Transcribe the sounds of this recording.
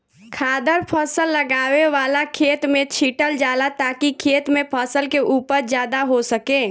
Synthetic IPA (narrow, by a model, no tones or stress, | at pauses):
kʰad̪əɾpʰəsəlːəɡaʋeʋalakʰet̪mẽt͡ʃʰiʈəld͡ʒalat̪akikʰet̪mepʰəsəlkeʔupəɾd͡ʒjad̪aɦosəke